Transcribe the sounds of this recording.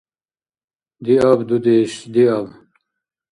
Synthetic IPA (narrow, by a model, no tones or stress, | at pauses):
d̪iabd̪ud̪eɕd̪iab